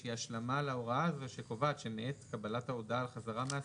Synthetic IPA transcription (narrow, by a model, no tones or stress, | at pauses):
iaʃlamalaoʁaazveʃeko̞vat̪ʃemeetkabalathaodaːlχazaʁamea